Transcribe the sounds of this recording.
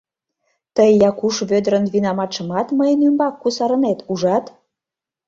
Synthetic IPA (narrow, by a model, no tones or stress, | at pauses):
t̪əjːɑkuʃβød̪ɾə̆nβinɑmɑʃə̆mɑt̪məjənymbɑkːusɑɾə̆net̪uʒɑt̪